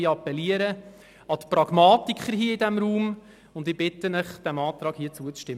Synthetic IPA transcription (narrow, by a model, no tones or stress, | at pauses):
iːɑpɛliəɾə | ɑt̪prɑɡ̥mɑːtikχəɾɦiːəidɛmɾuːm | ʊndɪb̥ɪtənəχd̥æmɑːt̪ɾɑːɡ̥hiːət͡suət͡sʃtɪm